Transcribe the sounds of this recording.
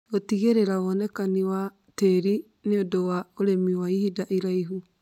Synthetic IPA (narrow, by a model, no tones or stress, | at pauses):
ɣotiɣeɾeɾaoɔnɛkaniwa | teɾi | neodowaoɾemiwaihidaʔiɾaiɦu